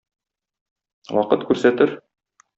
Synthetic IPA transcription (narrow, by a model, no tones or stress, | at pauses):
wɒqɤt̪kʉɾsæt̪ɘɾ